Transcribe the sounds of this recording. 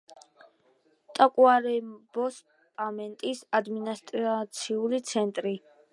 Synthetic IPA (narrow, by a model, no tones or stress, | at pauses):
t̪ʼakʼwaɾɛbɔs | pʼamɛnt̪ʼisad̪minast̪ʼɾat̪sʰiulit̪sʰɛnt̪ʼɾi